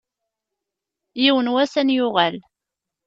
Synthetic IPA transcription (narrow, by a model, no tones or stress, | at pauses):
jiwənwæsænjʊʁæl